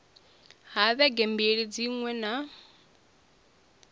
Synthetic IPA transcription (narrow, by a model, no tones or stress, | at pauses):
ɦaðɛɡɛmbiɺid͡ziŋwɛna